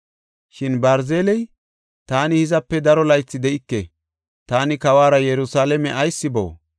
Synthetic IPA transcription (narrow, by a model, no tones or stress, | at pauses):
ʃɪnbɐɾzeːlɛj | t̪aːnɪhɪzɐpːɛd̪ɐɾɔlɐjt͡sːɪd̪ɛʔɪkːɛ | t̪aːnɪkɐwaːɾɐjɛɾʊsaːlɛmɛʔɐjsːɪbo̰ː